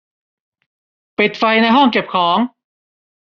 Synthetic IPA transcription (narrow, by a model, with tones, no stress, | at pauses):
pi˨˩t̪̚fa˧jna˧jɦɔ˥˩ŋke˨˩p̚kʰɔː˩˦ŋ